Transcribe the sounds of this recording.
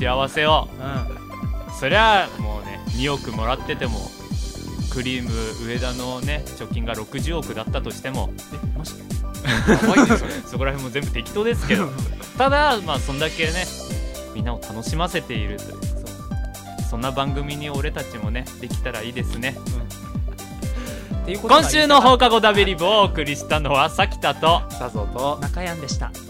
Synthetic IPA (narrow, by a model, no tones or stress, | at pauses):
t̪eaβase̞o | so̞ɾe̞amo̞ːne̞ɲ̟io̞kɯ̟mo̞ɾat̪ːe̞t̪e̞mo̞̰ | kɯ̟ɾʲiːmɯ̟ɯ̟e̞d̪ano̞ne̞t͡ɕo̞kʲːĩŋɡaɾo̞kɯ̟ʑɨːo̞kɯ̟d̪at̪ːat̪o̞ɕi̥t̪e̞mo̞̰ | m | so̞ko̞ɾahẽ̞mːo̞zẽ̞mbɯ̟t̪e̞kʲi̥t̪o̞ːd̪e̞sɨ̥ke̞d̪ot̪ad̪amaːsõ̞nd̪ake̞ne̞ | mʲĩnːao̞t̪ʰano̞ɕimase̞t̪e̞iɾɯ̟t̪ojɯso | sõ̞nːabãŋɡɯ̟mʲiɲ̟io̞ɾe̞t̪at͡ɕimo̞ne̞d̪e̞kʲi̥t̪aɾaiːd̪e̞sɨne̞ | kõ̞ɰ̃ɕɨːno̞ɦo̞ːkaɡo̞d̪abʲiɾʲiboːkɯ̟ɾʲiɕi̥t̪ano̞βasakʲi̥t̪at̪o̞onakajãnd̪eɕi̥t̪a̰